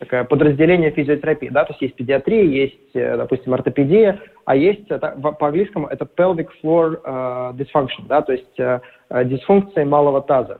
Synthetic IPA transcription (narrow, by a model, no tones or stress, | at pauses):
t̪ɐkajəpəd̪ɾəzʲdʲɪlʲenʲɪjəfʲɪzʲɪotʲɪɾɐpʲijəd̪at̪oɪsʲt̪ʲjesʲtʲpʲɪdʲɪat̪ɾʲijəjesʲtʲd̪ɐpusʲtʲɪmɐrt̪əpʲɪdʲijə | a̰jesʲtʲt̪avpəɐnɡlʲijskəmʊʔɛt̪əpɛlˠvʲɪkflˠordʲɪsfankʂənd̪at̪o̞ɪsʲtʲə | dʲɪsfunk̚t̪sɨɪmalˠəvət̪azə